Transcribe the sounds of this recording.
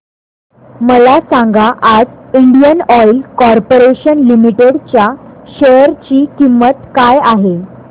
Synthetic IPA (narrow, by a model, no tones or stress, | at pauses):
məlasãŋɡaʔad͡ziɳɖijənɔjlkɔɾpoɾeɕənlimiʈeɽt͡ɕjaɕəjɾt͡ɕiːkimːət̪kajaɦe